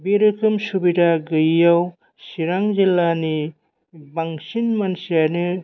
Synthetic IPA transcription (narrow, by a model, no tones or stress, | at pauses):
biɾɯkʰɯmsubidaɡɯjːaw | siɾaŋzilːani | baŋsinmansijanɯ